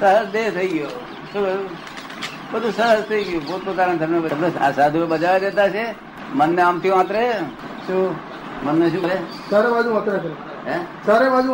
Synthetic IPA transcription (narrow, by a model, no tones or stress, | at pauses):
səɦəsd̪et̪ʰəiɡjo | ʃubəu | bəd̪ʱusəɦəst̪ʰəiɡjobot̪̚pɾkaɾənt̪əmnebəəmneasad̪ʱuebəd͡ʒaʋed̪et̪at͡ʃʰe | mənːeamt̪ʰiʋãt̪ɾe | ʃũ | mənːeʃũːɾe | saɾeʋad͡ʒũãt̪ɾekɾe | ɦɛ̃saɾeʋad͡ʒũ